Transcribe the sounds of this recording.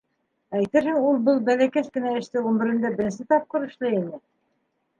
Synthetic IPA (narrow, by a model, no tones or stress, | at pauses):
æjt̪ɘɾhɘŋulˠbɤlˠbælækæskɘ̆næɘ̆ʃt̪ɘʁɵ̆mbɘ̆ɾɘ̆nd̪æbɘ̆ɾɘnsɘt̪ɑp̚qɤ̆ɾɤ̆ʃlˠɤinɘ